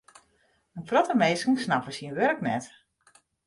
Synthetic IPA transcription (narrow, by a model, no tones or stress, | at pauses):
ənfrɔtəmejsənsnapəsiənʋørknɛt